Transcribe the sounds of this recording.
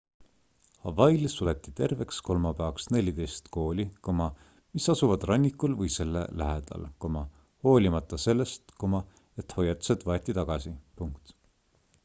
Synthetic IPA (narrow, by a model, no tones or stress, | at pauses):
hɑvɑjlsulet̪ːˑit̪e̞rve̞ksko̞lmɑpæɑksne̞lʲid̪e̞jst̪ko̞ːlʲikomɑ | misɑsuvɑd̪rɑnʲːikˑulvɤjse̞lːḛlæɦed̪̥ɑ̰lko̞mɑ | ho̞ːlʲimɑt̪ːˑɑse̞lːe̞st̪komɑ | e̞t̪ho̞jːɑt̪ːˑu̥sed̪̥vɑet̪ːˑit̪ɑɡ̥ɑsipuŋkt̪